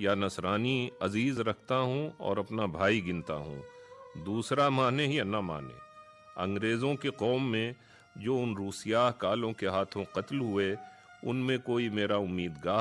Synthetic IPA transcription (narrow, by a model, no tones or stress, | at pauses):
janɐsɾaːniɐziːzɾɐkʰt̪aɦũɔ̰ːɾɐpnabʱaːiɡɪ̃nt̪a̰ɦṵ̃ːd̪uːsɾamaːnejanɐma̰ːnḛ̃ː | ɐ̰̃ŋɡɾeːzõkeqɔːmːẽ | d͡ʒoːʊnɾuːsɪjaːɦkaːlõkeɦaːt̪ʰõqɐt̪lɦʊe | ʊ̰nmẽkoːimeːɾaʊmːiːd̪ɡaː